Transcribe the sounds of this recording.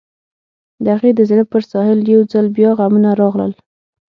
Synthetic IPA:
d̪əhaɣed̪əzɽəpəɾsɑhɪljawd͡zalbjɑɣamunaɾɑɣlə̰l

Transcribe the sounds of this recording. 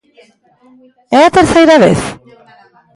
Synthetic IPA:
eat̪eɾsajɾaβḛθ

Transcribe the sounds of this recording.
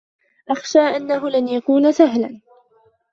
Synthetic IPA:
ʔaxʃaːʔanːaɦʊlanjakuːnasaɦla̰n

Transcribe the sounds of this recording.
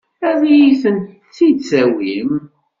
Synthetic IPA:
æðijiθənt̪ | t͡sːid̪t͡sːæwim

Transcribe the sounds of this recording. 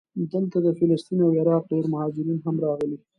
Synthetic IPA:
d̪əlt̪ad̪əfɪlɪst̪inawɪɾɑq̚ɖeɾmahɑd͡ʒɪɾinɦamɾɑɣəli

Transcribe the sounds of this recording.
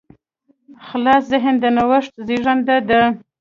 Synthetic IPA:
xlɑszɪɦənd̪ənawəʂt̪ziʐand̪ad̪ə

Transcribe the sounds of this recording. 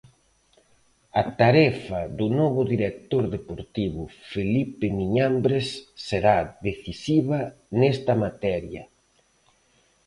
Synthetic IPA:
ɐt̪aɾɛfɐðunɔβʊðiɾek̚t̪oɾðepoɾt̪iβʊfelipemiɲambɾesːeɾaðeθisiβɐnɛst̪ɐmat̪ɛɾjɐ̰

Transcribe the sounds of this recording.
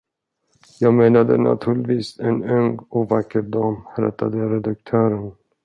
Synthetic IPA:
jɑːɡmeːnad̪ə̰na̰t̪ʰʉ̟ːɭɪt̪viːsɛnœŋɡɔvakːəɾd̪ɑːmɾɛ̰t̪ʰːa̰d̪əɾɛd̪ak̚t̪ʰœːɾən

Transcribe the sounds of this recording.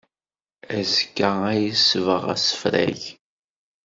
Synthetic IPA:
æzkːææjəsvəʁæ̰sə̥fɾæ̰ʝ

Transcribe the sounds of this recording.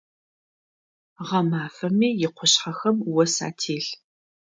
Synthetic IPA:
ʁɐmaːfɐmiːjɪqʷʰʊɕħɐxɐmwɔsa̰ːtʰeːɬ

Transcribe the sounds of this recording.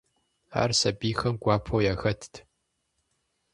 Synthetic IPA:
a̰ːrsɐbiːxɐmɡʷaːpʰowjaxɐtʰtʰ

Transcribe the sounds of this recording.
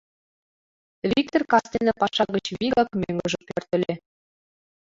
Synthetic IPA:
vʲik̚t̪orkɑst̪enɤpɑʃɑɣə̆t͡ɕβiɣɑkmʲøŋɡə̆ʒɤ̆pørt̪ɘ̆lʲe

